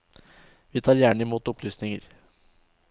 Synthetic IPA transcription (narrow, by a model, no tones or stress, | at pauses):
ʋiːt̪ʰɑːɾjæːɳɪmuːt̪ʊplyːsnɪŋəɾ